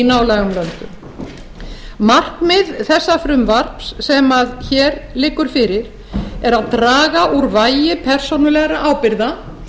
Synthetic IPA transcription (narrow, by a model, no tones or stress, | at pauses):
inaːwlɛːɣʏmlœnt̪ʏm | mar̥knmɪðθɛsːafɾʏmvar̥psːɛmaðçɛːɾlɪːkːʏɾ̥fɪɾɪɾ̥ | ɛɾaðt̪ɾaːɣaʔuɾvaːjɪpʰɛr̥sownʏlɛɣɾaʔaːwpɪɾða